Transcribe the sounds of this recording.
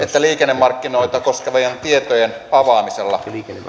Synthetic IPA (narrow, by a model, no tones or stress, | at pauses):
et̪ːæliːkenːemːɑrkːino̞jt̪ɑko̞skeʋɑjɑnt̪iet̪ojen | ɑʋɑːmiselːɑ̰